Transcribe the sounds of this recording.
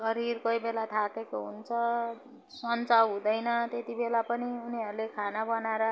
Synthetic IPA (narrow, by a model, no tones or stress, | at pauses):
sʌɾirkojbelat̪ʰakekoɦṵnt͡sʰʌ | sʌnt͡sawɦũd̪ʌjnʌt̪et̪ibelapʌniuniɦʌɾulekʰanabʌnaɾʌ